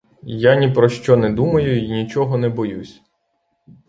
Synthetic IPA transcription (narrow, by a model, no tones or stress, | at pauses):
janʲipɾɔʃt͡ʃɔnɛd̪umɐjʊinʲit͡ʃɔɦɔnɛbɔjusʲ